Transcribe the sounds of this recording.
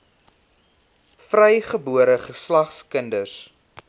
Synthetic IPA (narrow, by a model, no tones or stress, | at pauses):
frɛjχəbuəɾəχəslɐχskəndərs